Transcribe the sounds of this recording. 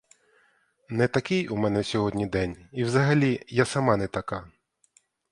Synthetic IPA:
nɛt̪ɐkɪjumɛnɛsʲɔɦɔdʲnʲid̪ɛnʲiwzɐɦɐlʲijasɐmɑnɛt̪ɐkɑ

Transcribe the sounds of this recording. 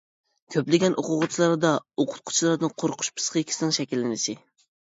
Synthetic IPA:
kʲʰøplɪɡʲɛnʔoqʊʁʊt͡ʃʰilˠɑɾd̪ɑoqʰʊ̥t̪̚qʰʊ̥t͡ʃʰilˠɑɾd̪ɨnqʰoɾqʰʊ̥ʃpʰɨ̥sqʰkʲʰi̥sɪnɪŋʃɛkʲilːɪnɪʃɪ

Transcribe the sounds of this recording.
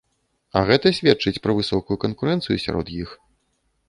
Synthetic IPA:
ɐɣɛt̪ɐsʲvʲɛtt͡ʂɨt͡sʲpɾɐvɨsɔkujukɐnkuɾɛnt̪sɨjusʲa̰ɾʔɔ̰d̪jix

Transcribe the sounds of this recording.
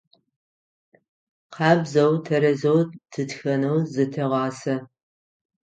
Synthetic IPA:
qɑːbzɐwtʰɐɾɐzowdʰɨtxɐnɐwzɨtʰɐʁʷɑːsɐ

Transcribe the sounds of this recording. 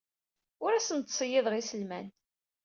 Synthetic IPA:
ʊɾæsənt̪sˤəjɪðʁisəlmæ̰n

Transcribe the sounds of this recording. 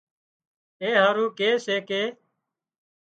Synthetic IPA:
eːɦaːɾũːkeːseːkeː

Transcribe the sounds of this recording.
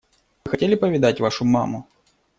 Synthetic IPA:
mɨxɐtʲelʲɪpəvʲɪd̪atʲvaʂʊma̰mʊ

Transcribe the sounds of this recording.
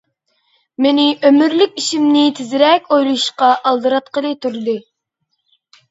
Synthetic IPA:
menɪʔømyɾlykʲiʃimnɪt̪ʰɪzɪɾɛkʲojlˠuʃqɑʔɑlˠd̪ɨɾɑt̪̚qəlˠɨt̪ʰuɾd̪ɨ

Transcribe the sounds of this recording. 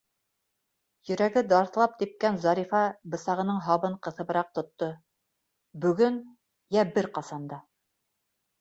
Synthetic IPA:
jɵ̆ɾæɡɘd̪ɑɾθlˠɑp̚t̪ip̚kænzɑɾifɑbɤ̆sɑʁɤ̆nɤɴɦɑβɤɴqɤ̆θɤ̆βɤ̆ɾɑq̚t̪ŏt̪ːo | bɵ̆ɡɵn | jæbɘɾqɑsɑnd̪ɑ

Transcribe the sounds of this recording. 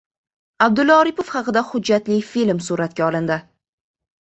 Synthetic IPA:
ab̚d̪ʊlɒɾipofχɑqɨd̪ahʊd͡ʒːat̪lɪfilmsuɾat̪ɡʲaɒlɪnd̪ɪ

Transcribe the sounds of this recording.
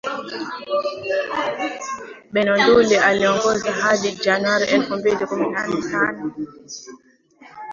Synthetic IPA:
ɓɛnɔndulɛaliɔŋɡɔzaɦadid͡ʒanwaɾiʔɛlfɔmbidikuminanɛtanɔ

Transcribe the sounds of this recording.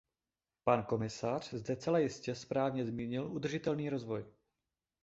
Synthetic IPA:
panko̞mɪsar̝̥zdɛt͡sɛlajɪscɛspɾaːvɲɛzmiːɲɪlʔud̪r̩ʒɪt̪ɛlniːɾo̞zvo̞j

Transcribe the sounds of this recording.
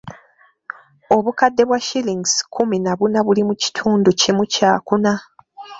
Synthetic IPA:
o̞βukadːe̞βwaʃiliŋɡskʰuminaβunaβulimuci̥tʰuːnducimucaːkuna

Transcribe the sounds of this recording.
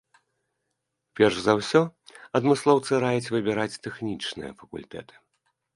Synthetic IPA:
pʲɛrʂzɐwsʲɔɐd̪mɨslˠɔwt̪sɨɾajɛt͡sʲvɨbʲiɾat͡sʲt̪ɛxnʲit͡ʂnɨ̰jɐ̰fɐkṵlʲt̪ɛ̰t̪ɨ̥

